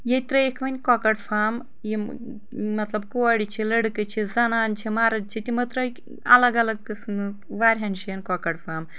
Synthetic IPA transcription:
jet̪ɾɐekʰʋɐnʲkɔkɐɽfʰaːm | ji | mɐt̪lɐb̚kuʋaɽit͡ʃʰilɐɽkɨt͡ʃʰizɐnaːnt͡ʃʰimaːɾɐd̪̚t͡ʃʰit̪ʲimɐt̪ɾɐ | ɐ̰lɐɡɐlɐɡ̚kɨsn | ʋaːɾʲɦɐnʃijɐnkɔkɐɽfʰaːm

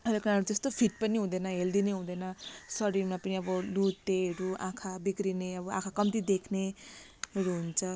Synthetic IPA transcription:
ʌɾekɾaɦɾud͡zʌst̪opʰiʈ̚pʌniɦũd̪ʌnʌɦeld̪ineɦũd̪ʌnʌsʌɾimapʌniʌbʌlut̪ːeɦʌɾuã̰kʰabikrineʌbʌʔã̰kʰakʌmt̪id̪ekʰne | ɦʌɾuɦunt͡sʰʌ

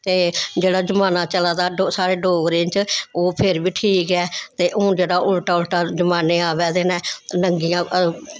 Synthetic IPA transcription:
t̪eːd͡ʒeːɽaːd͡ʒəmaːnaːt͡ʃəlaːd̪aːɖosaːɽeːɖoːɡɾẽːnt͡ʃoːpʰɪɾbiːʈʰiːkɛːt̪eːʔːd͡ʒeːɽaːʔʊlʈaːʊlʈaːd͡ʒəmaːneːaːʋɛːd̪eːnɛ̃ːnəŋɡijãː

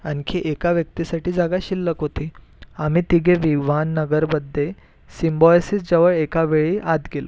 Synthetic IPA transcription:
ankʰiʔekaʋjək̚t̪isaʈiːd͡zaɡaɕilːəkɦot̪i | am̤iːt̪iɡeʋiʋanːəɡəɾbəd̪ʱːe | simbɔjsisd͡ʑəʋəɭekaʋeɭiʔad̪ɡelo̰

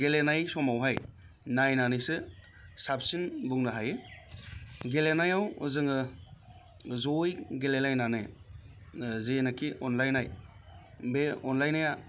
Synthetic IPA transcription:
ɡelenajsɔmawɦaj | najnanɯjsɯ | sap̚sinbuŋnɯɦajɯ | ɡelenajawɯzɯŋɯ | zojɡelenajnanɯ | zenakʰiɔnlajnaj | beɔnlajnaja

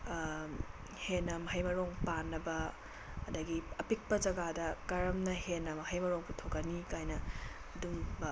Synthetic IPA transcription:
henɐmhɐjmɐɾoŋpanːɐbɐː | dɐɡiɐpik̚pɐd͡ʒɐɡadɐkaɾɐmnɐhenːɐmɐhɐjmɐɾoŋputʰokɐnikajnɐ | ɐdum

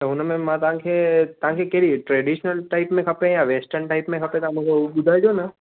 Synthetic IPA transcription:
t̪oɦʊnmẽmãt̪ɐãkʰet̪ɐãkʰekeɽiʈɾeɖiʃnəlʈaɪpmẽkʰɐpẽjaʋeːsʈəɾnʈaɪpmẽkʰɐpẽt̪amũkʰoɓʊd̪ʱad͡ʒona

